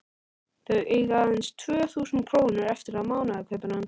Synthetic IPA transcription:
ðəʔeɣaənst̪ʰœːθuːsn̩kʰɾ̥oːwnəɾɛft̪əɾamawnakʰɛpənan

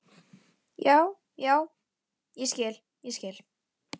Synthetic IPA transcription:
jaːw | jaːw | jɛscɛːl | jɛscɛːl̥

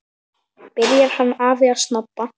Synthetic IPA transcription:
pɪɾjaɾ̥hanːaːviaɾsnɔp̪ːa

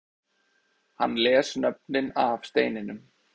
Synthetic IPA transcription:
ha̰nːlɛːsnœp̚nɪnafst̪eːjnɪnʏm

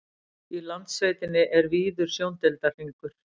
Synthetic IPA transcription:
ilant̪sveːjt̪ɪnːɪʔɛɾviːðʏɾ̥sjownt̪ɛlt̪ariŋkʏɾ̥

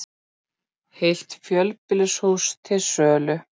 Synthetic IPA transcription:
hejl̥t̪fjœlpɪlʏshuwst̪ʰɪlsœːlʏ

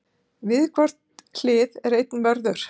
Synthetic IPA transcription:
vɪðkʰvar̥t̪kʰlɪːðɛɾejt̪nvœɾðʏɾ̥

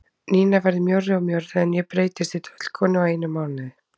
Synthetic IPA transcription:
niːnavɛɾðɪmjɔwɾɪɔmjowɾðɪɛnjɛpɾeːjt̪ɪst̪ɪt̪ʰœ̥t̪l̥kʰɔːnɪaeːjnʏmaːwnɪð

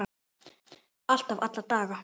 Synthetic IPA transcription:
al̥t̪avat̪lat̪aːɣa

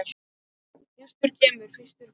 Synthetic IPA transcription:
ɛst̪ʏɾ̥cʰɛːmʏɾ̥fɪst̪ʏɾ

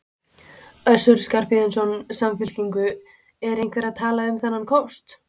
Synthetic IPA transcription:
œsʏɾ̥skaɾ̥piðɪnsɔnsamfɪl̥ciŋkʏ | ɛɾejnkvɛɾaðt̪ʰaːlaʏmθanːankʰowst̪

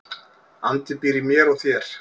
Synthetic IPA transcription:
a̰nt̪ɪpiːɾɪmjɛɾɔɣθjɛɾ̥

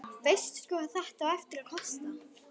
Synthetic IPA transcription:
fejst̪skʏḁθɛht̪awɛft̪ɪɾakʰɔst̪a

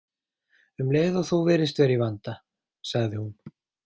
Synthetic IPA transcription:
ʏmleːjɣðɔɣθuvɛːɾɪst̪vɛːɾivant̪a | saɣðɪhun

